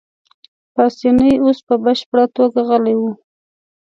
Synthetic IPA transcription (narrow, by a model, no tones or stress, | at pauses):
pɑsinəjospəbəʃpəɽat̪oɡaɣəlajwu